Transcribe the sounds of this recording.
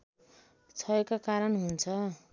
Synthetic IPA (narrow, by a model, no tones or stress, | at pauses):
t͡sʰʌekakaɾʌnɦunt͡sʰʌ